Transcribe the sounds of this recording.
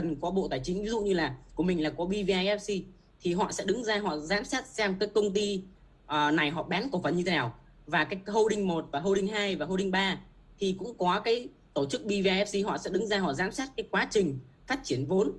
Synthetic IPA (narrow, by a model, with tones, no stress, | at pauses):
ə˨˩nkɔ˨˦ɓo̰˧˨t̪aː˨˩jt͡ɕï˨˦ŋ̟vi˨˦zṵ˧˨ʔɲɨ˧laː˨˩ku˧˩əmï˨˩ŋ̟laː˨˩kɔ˨˦ɓi˧vi˧aː˧jʔɛ˦˥p̚si˧ | t̪ʰi˨˩ɦɔ̰˧˨sɛ̰˧˥ɗɨ˨˦ŋzaː˧ɦɔ̰˧˨zaː˨˦msaː˦˥t̚sɛ˧mkaː˨˦jkə˧wŋ͡mt̪i˧ | ʔəː˨˩na˨˩jɦɔ̰˧˨ɓɛ˨˦nku˧˩və˨˩nɲɨ˧e˨˦aː˧˩w | vaː˨˩kaː˨˦jkho˧wɗï˧ŋ̟mo˨˩t̚vaː˨˩ɦo˧wɗï˧ŋ̟ɦaː˧jvaː˨˩ɦo˧ɗi˧ŋ̟ɓaː˧ | t̪ʰi˨˩kʊ̰˧˥ŋ͡mkɔ˨˦kaː˨˦j | t̪o˧˩t͡ɕɨ˦˥k̚ɓi˧vi˧aː˧jʔɛ˦˥p̚si˧ɦɔ̰˧˨sɛ̰˧˥ɗɨ˨˦ŋzaː˧ɦɔ̰˧˨zaː˨˦msaː˦˥t̚kaː˨˦jkwaː˨˦t͡ɕï˨˩ŋ̟ | faː˦˥t̚t͡ɕi˧˩ənvo˨˦n